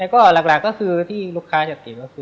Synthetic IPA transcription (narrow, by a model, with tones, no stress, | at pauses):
ɛ˧˩kɔː˥˩laː˨˩k̚laː˨˩kːɔː˥˩kʰɯː˧t̪ʰiː˥˩luː˥˩kʰaː˦˥t͡ɕa˨˩t̪i˨˩p̚kɔː˥˩kʰɯː˧